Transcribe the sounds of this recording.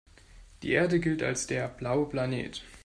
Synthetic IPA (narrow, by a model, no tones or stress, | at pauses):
d̥ḭːʔeːɐdəɡɪlta̰lsd̥eːɐb̥laʊəplanḛːt